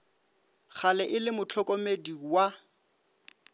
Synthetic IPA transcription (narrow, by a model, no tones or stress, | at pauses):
χalɛʔɪlɪmʊt͡ɬʰɔkʼɔmediwa